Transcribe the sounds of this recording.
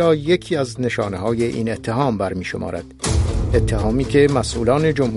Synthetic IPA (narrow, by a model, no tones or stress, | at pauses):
ɒːje̞cʰiːæzne̞ʃɒːneɦɒːje̞ʔḭːne̞t̪ʰːe̞ɦɒːmbæɾmiːʃo̞mʔɒ̰ːɾæ̰d̪̥e̞t̪ʰːeɦɒːmiːkʰe̞mæsʔuːlɒːne̞d͡ʒomh